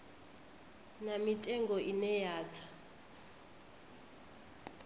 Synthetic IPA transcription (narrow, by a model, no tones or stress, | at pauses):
namitʼɛŋɡɔʔinɛjaːt͡sʰḁ